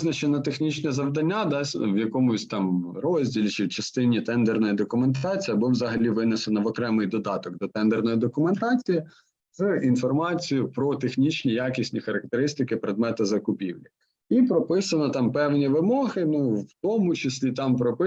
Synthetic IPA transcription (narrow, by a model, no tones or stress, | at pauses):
znɐt͡ʃenɐt̪exnʲit͡ʃnɛzɐʋd̪ɐnʲːad̪ɑsʲwjɐkɔmʊsʲt̪ɑmɾɔzʲdʲilʲit͡ʃɪwt͡ʃɐst̪ɪnʲit̪ɛnd̪ernɔjid̪ɔkʊme̞nt̪ɑt͡sʲijɐbɔwzɐɦɐlʲiʋɪnɛsenɐʋɔkɾɛmɪjd̪ɔd̪ɑt̪ɔɡd̪ɔt̪ɛnd̪ernɔjid̪ɔkʊment̪ɑt͡sʲiji | zɨinfɔrmɑt͡sʲijʊpɾɔt̪exnʲit͡ʃʲnʲijakʲisʲnʲixɐɾɐk̚t̪eɾɪsʲt̪ɪkɪpɾed̪mɛt̪ɐzɐkʊpʲḭwlʲɐ | ipɾɔpɪsɐnɔt̪ɑmpɛwnʲiʋɪmɔɦɪnuwwt̪ɔmʊt͡ʃɪsʲlʲit̪ɑmpɾɔpɪ